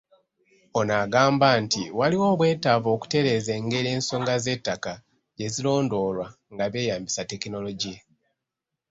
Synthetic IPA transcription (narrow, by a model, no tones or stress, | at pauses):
o̞naɡaːmbantiwaliwo̞ːβwe̞ːtavo̞ːku̥te̞ɾe̞ze̞ːŋɡe̞ɾe̞ːnso̞ːŋɡaze̞tːaka | ɟe̞zilo̞ːndo̞ːlwa | ŋɡaβe̞ːjaːmbisate̞kino̞lo̞ɟija